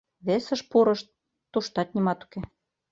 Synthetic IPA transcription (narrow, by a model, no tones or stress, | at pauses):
βesə̆ʃpuɾɤ̆ʃt̪̚ː | uʃt̪ɑt̪nimɑt̪u̥ke